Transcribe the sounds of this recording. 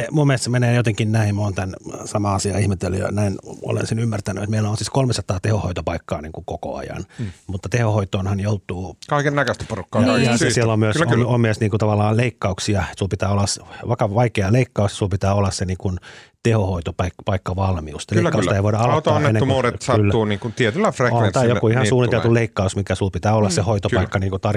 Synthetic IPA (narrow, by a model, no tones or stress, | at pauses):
mummilst̪semeneːjot̪eŋkinnæimmoːnt̪ænsɑmɑɑsiɑ̰ihmet̪ḛl̰jɑ̰næino̰lḛnsenymːært̪æny̰et̪meilːæonsit̪kolmesɑt̪ɑːt̪ehoho̰it̪opɑikːɑ̰ːniːŋkukoko̰ɑ̰jɑ̰nmut̪ːɑt̪ehohoit̪oːnhɑnjout̪ˑuːkɑikennækøst̪æ̥porukːɑɑjɑssielːommyøsomommyøsniːŋkut̪ɑʋɑlːɑːleikːɑuksiɑsulpit̪æːolːɑsʋɑikɑʋɑikeɑleikːɑusjɑsulpit̪æːolːɑsseniːŋkunt̪ehohoit̪opɑikpɑikːɑʋɑlmiust̪ɑleikɑust̪ɑeiʋoˑiɾɑɑlot̪ːɑnːeeneumuːɾet̪sɑylːæuːniːŋkunt̪iet̪ylːæfreont̪ijokuihɑnssuːnit̪elt̪uleikːɑusmikæsulpit̪æːolːɑssehoit̪oɑikkːɑniːŋkut̪ɑr